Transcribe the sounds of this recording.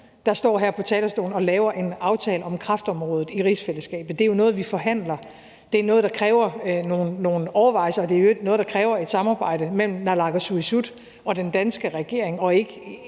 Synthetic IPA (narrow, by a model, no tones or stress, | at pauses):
d̥ɑ̈sd̥ɒ̰ːɦæɐ̰pʰɒ̽t͡sʰɛːlɐsd̥o̝̰ːln̩ɒ̽lɛːʊɐʔe̝nɑ̈ʊt͡sʰɛːləɒ̽mkʰʁɑ̈fd̥əɒ̽mʁɔ̽ːðð̩ˠiʁisfeləsɡ̥ɛ̰ːb̥ð̩ˠd̥e̝jo̝nɔ̽ːð̞̩ˠʋifɒ̽ɦæn̰lɐ | d̥e̝æɐnɔ̽ːð̞̩ˠd̥ɑ̈kʰʁɛːʊɐno̝ːn̩ːo̝ːn̩ɒʊɐʋɑ̈ɪ̰sɐɒd̥e̝æjoeɡ̥nɔ̽ːð̩ˠd̥ɑ̈kʰʁɛːʊɐe̝d̥sɑ̈mɑ̈ːb̥ɑ̈ɪ̰d̥əmel̰m̩nɑlɑ̈ɡ̥æsuisud̥ | ɒ̽d̥end̥ænsɡ̥əʁɛɡ̥e̝ɐ̰eŋɒ̽e̝ɡ̥ə